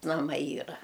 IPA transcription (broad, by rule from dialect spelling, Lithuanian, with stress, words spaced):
nɐˈmɐɪ ˈiːrɐ